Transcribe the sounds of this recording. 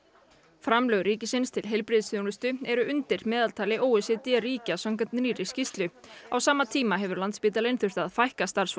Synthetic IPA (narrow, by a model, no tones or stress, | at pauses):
fɾamlœɣɾiːcɪsɪnst̪ʰɪlɦejlpɾɪðsθjownʏst̪ʏɛɾʏʔʏnt̪ɪɾ̥mɛːðalt̪ʰaːlɪʔoːwɛsɛt̪iaɾiːcasœmkat̪nɾiːɾɪscist̪lʏawsaːmat̪ʰiːmaɦɛvʏɾlant̪spiːt̪alejnθʏr̥t̪aðfajhkast̪aɾ̥s